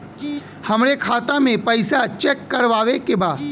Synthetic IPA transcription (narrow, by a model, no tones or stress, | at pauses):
hɐmɾekʰaːt̪amẽpɐɪsat͡ʃɛːkːɐɾʋaːʋekebaːd̪